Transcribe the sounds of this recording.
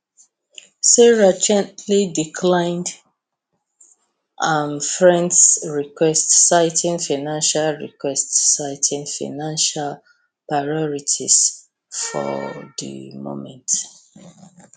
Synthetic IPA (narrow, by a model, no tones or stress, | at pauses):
sɛɹad͡ʒɛ̃ntʰlidikʰlãɪ̃nd | ʔãmfɹɛ̃ndsɹikʰwɛstsaɪtʰĩŋfaɪnãnʃalɹḭkʰwɛstsaɪtʰĩŋfa̰ɪnãnʃal | pɹaɔɹitʰḭs | fɔ̰ðə̰mõ̰mɛ̰̃nt